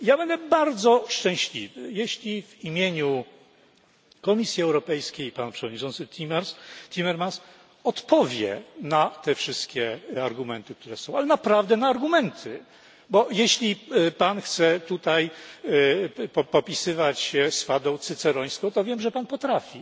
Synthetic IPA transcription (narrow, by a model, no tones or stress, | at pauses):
jabɛnd̪ɛbaɾd̪zɔʂt͡ʂɛ̃w̃ɕlʲivɘ̰jeɕlʲivimʲjeɲu | kɔmʲisʲjiɛwɾɔpɛjskʲejpanpʂɛvɔd̪ɲit͡ʂɔ̃nt̪sɘt̪ʰʲimanst̪ʲimɛɾmans | ɔt̪pɔvʲjɛ̰nat̪ɛfʂɘst̪kʲɛaɾɡumɛnt̪ɘk̚t̪uɾɛsɔ̃w̃alɛnapɾavd̪ɛnaːɾɡumɛnt̪ʰɘ | bɔjeɕlʲipanxt̪sɛt̪ut̪aj | ɔpɔpʲisɘvat͡ɕɕɛsfad̪ɔ̃w̃t̪sɘt̪sɛɾɔj̃skɔ̃t̪ɔvʲjɛmʐɛpanpɔt̪ɾafʲi